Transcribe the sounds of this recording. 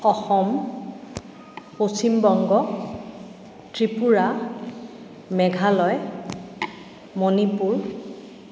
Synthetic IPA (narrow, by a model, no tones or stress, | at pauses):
ɔxɔm | posimbɔŋɡɔ | tɹipuɹa | mɛɡʱalɔj | monipuɹ